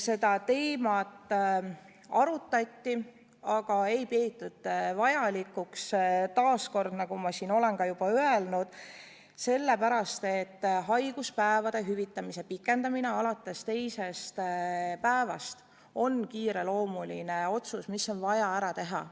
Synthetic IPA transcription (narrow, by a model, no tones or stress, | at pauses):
se̞d̪̥ɑt̪e̞ːmɑt̪ː | ɑɾut̪ːˑɑt̪ʲːi | ɑɡ̥ɑe̞jpeːt̪ːˑud̪̥vɑjɑlikukst̪ɑːsko̞rd̪̥nɑɡumɑsiːno̞le̞nkɑjub̥ɑøelnud̪̥ | se̞lːe̞pæɾɑst̪e̞t̪ːɦɑjɡ̥uspæevɑd̪̥e̞ɦyvit̪ːˑɑmise̞pikːˑe̞nd̪ɑmineɑlɑt̪ːˑe̞st̪e̞jse̞st̪pæevɑst̪ | o̞nkiːɾe̞lo̞ːmuline̞o̞t̪susmiso̞nvɑjɑæɾɑt̪e̞ɦɑ̰